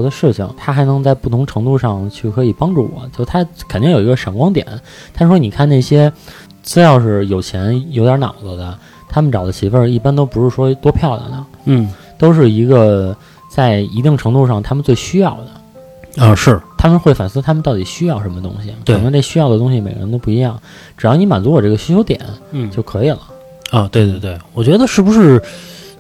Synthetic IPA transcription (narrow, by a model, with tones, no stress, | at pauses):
d̪ə˧ʂɻ̩˥˩t͡ɕʰḭ˨˩ŋt̪ʰa˥xa˧˥ɪnɤ˧˥ŋt͡sa˥˧ɪpu˥˩t̪ʰʊ˧˥ŋʈ͡ʂʰɤ˧˥ŋt̪u˥˧ʂɑ˥˧ŋt͡ɕʰy˥˩kʰɤ˧˥i˨˩pɑ˥ŋʈ͡ʂu˥˩wɔ̰˨˩˦t͡ɕjo˥˩ʂt̪ʰa˥kʰə˨˩ni˥˩ŋjo˨˩i˧˥ɡə˧ʂə˨˥˩ŋkwɑ˥ŋt̪jɛ̰˨˩˦n | t̪ʰa˥ʂɻ̩˥˩ʂwɔ˥ni˨˩kʰa˥˧nne˥˩ɪɕjɛ˥ | t͡sɹ̩˥ljɑ˥˧ʊʂɻ̩˥˩jo˨˩ʊt͡ɕʰjɛ˧˥njo˧˥ʊt̪jnɑ̰˨˩ʊɡə˧d̪ə˧ | t̪ʰa˥mə˨nʈ͡ʂɑ˨˩d̪ə˦t͡ɕʰi˧˥fə˞˥˧i˥˩pa˥nt̪o˥ʊpu˧˥ʂɻ̩˥˩ʂwɔ˥t̪wɔ˥pʰjɑ˥˩ʊd̪ə̰˩nə˩˥˩ | t̪o˥ʊʂ̬ɻ̩˥˩i˧˥ɡə˧ | t͡sa˥˩ɪi˧˥t̪i˥˩ŋʈ͡ʂʰɤ˧˥ŋt̪u˥˧ʂ̬ɑ˥˩ŋt̪ʰa˥mə˨nt͡swe˥˩ɪɕy˥jɑ˥˩ʊd̪ə˩ | ə˧ʂɻ̩˥˩t̪ʰa˥mə˨nxwe˥˩ɪfa˨˩nsɹ̩˥˧t̪ʰa˥mə˨nt̪ɑ˥˩ʊt̪i˨˩ɕy˥jɑ˥˩ʊʂə˧˥mə˧t̪ʊ̰˥ŋɕi˨˩k̪ʰwe˧˨˩nɤ˧˥ŋʈ͡ʂe˥˩ɕy˥jɑ˥˩ʊd̪ə˩ʊ˥ŋɕ̬i˨˩me˨˩ɪɡə̰˧ɻə˧˥nt̪o˥ʊpu˥˩i˧˥jɑ˥˩ŋ | ʈ͡ʂɻ̩˨˩jɑ˥˩ʊn˧˥ma̰˨˩nt͡su˧˥wɔ˨˩ʈ͡ʂɤ˥˩ɡə˩ɕy˥t͡ɕʰo˧˥ʊt̪jɛ̰˨˩˦n̩˥t͡ɕjo˥˩ʊkʰɤ˧˥i˨˩lə̰˦ | ə˧t̪we˥˧ɪt̪we˥˧t̪we˥˩ɪwɔ˨˩t͡ɕɥɛ˧˥d̪ə˧ʂɻ̩˥˩bu˧˥ʂɻ̩˥˩